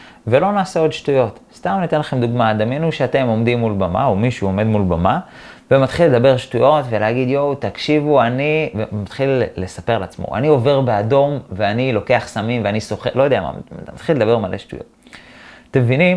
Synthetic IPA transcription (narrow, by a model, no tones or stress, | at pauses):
ve̞lo̞naːseo̞d̪ʃtujo̞t̪st̪amnit̪enlaχe̞md̪uɡmad̪amenuʃeat̪e̞mo̞md̪imːulbama̰omiʃuo̞me̞d̪mulbama | vemat̪χilːe̞d̪abe̞ʁʃtujo̞tve̞leaɡid̪jowt̪akʃivuanivemat̪χilːe̞sape̞ʁlat͡smo̰ʔa̰nio̞ve̞ʁbe̞ad̪o̞mveanilo̞ke̞aχsamimveaniso̞χelo̞jodeama̰mat̪χiled̪abe̞ʁmalʔeʃtṵjo̞̰t | t̪ːemevinim